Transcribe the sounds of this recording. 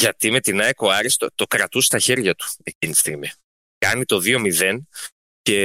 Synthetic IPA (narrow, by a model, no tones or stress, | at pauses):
ʝɐt̪ime̞t̪inɐeko̞ɐɾist̪ot̪o̞kɾɐt̪ust̪ɐçe̞ɾʝɐt̪u̥e̞cinit̪ist̪iɣmi | kɐnit̪o̞ðio̞miðe̞n | ce̞